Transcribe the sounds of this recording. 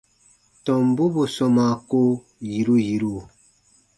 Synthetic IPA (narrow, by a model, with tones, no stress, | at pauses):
tɔ˨mbu˦bu˨sɔ˨ma˨ko˦ | ji˨ɾu˦ji˨ɾu˦˨